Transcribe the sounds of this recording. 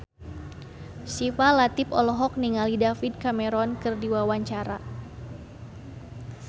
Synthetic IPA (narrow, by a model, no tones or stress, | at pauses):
sifalat̪ipɔlɔɦɔk̚niŋalidafid̪̚kamɛɾɔnkɨrdiwawaɲt͡ʃaɾa